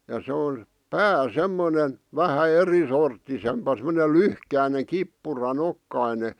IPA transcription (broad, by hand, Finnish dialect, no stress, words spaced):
jɑ se on̞ pæː semːone ʋæhæ erisortːisempɑ semŏne lyhkæine kipːurɑnokːɑine